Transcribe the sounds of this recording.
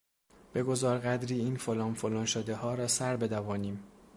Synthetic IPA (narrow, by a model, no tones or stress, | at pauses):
b̥e̞ɡo̞zɒːɾɣæd̪ɾiːiːnfolɒːnfolɒːnʃod̪ehɒːɾɒːsæɾbe̞d̪ævɒːniːm